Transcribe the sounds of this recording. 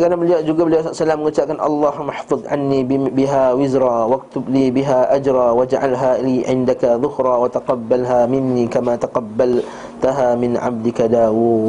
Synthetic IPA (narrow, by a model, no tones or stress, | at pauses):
kanabɪljaʔd͡ʒʊɡabljassalaːmɡʊt̪aːʔɡanʔɑ̰lˤːɑːhmaħfɨðˤʕa̰nːibɪɦaːwɪzɾˤɑːwak̚t̪ʊbliːbɪɦaːʔad͡ʒɾˤɑːwad͡ʒʕa̰lɦaːliːʕɪnd̪akaðˤʊhɾˤɑːwat̪aqɑbːalɦaːmɪnːiːkamaːt̪aqɑbːal | t̪aɦaːmɪnʕa̰b̚d̪ɪkad̪aːwuː